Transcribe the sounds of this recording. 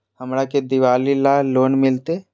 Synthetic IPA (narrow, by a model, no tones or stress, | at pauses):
hɐmɾaked̪ɪʋaːlilaloːnmɪlt̪e